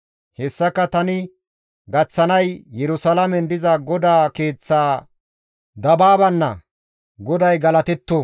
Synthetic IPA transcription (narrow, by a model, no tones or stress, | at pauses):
hɛsːɐkːɐt̪ɐnɪ | ɡɐt͡sːɐnɐjjɛɾʊsɐlɐmɛnd̪ɪzɐɡɔd̪aːke̞ːt͡sːaː | d̪ɐbaːbɐnːɐ̰ | ɡɔd̪ɐjɡɐlɐt̪ɛt̪ːo